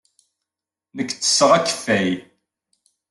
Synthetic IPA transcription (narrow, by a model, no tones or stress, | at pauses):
nəkːt͡sːə̥sːəʁækːə̥fːæj